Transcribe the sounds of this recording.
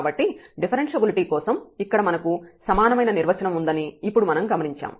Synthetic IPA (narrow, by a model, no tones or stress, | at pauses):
bɐʈːiɖipʰɐɾenʂebiliʈiːkɔːsɐmikːɐɽɐmɐnɐkusɐmaːnɐmɐjnɐniɾʋɐt͡ʃɐnɐmund̪ɐniːpːuɽumɐnɐmɡɐmɐniɲt͡ʃa̰ːm